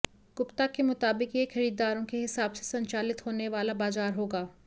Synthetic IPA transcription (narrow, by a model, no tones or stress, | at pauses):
ɡ̥ʊpt̪akemʊt̪aːbɪkjexɐɾiːd̪aːɾõkeɦɪsaːbse̥sɐ̃ɲt͡ʃaːlɪt̪ɦoːneʋaːlabaːzaːɾɦoːɡaː